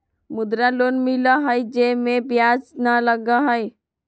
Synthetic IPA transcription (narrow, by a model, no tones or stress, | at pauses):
mʊd̪ɾaloːnmɪlaɦəjd͡ʒemẽbjaːd͡ʒnaləɡaɦəj